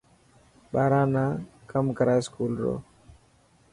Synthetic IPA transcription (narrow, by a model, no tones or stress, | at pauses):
ɓaːɾãːnãːkəmkəɾaːeːskuːlɾo̰ː